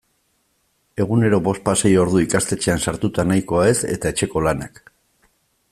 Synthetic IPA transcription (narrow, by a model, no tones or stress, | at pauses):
e̞ɣ̞une̞ɾo̞βo̞st̪̚pasejo̞ɾðuikast̪e̞t͡ʃe̞ansaɾt̪ut̪anajko̞ae̞se̞̰t̪ae̞t͡ʃe̞ko̞lanak